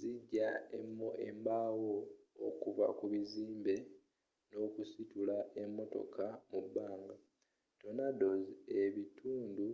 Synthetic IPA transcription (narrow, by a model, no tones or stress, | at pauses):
ziɟːaemoembaːwoːkuva̰kuβiziːmbe̞ | no̞ːkusitulaʔe̞mːo̞to̞̰kamubːaːŋɡa | to̞nado̞zie̞βitʰuːndu